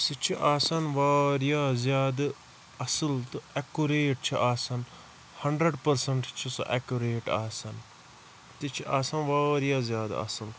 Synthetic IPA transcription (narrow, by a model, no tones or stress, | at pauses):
sit͡ʃʰiʔaːsanʋaːɾjaːzjaːd̪ | ɐsəlt̪ɨɛkuɾeːʈ̚t͡ʃʰiʔaːsɐn | hɐɳɖɾəɖpɐɾsɐɳʈt͡ʃʰisɐ̰ʔɛkuɾeːʈaːsɐn | t̪it͡ʃʰiʔaːsanʋaːɾjaːzjaːd̪ɐ̰səl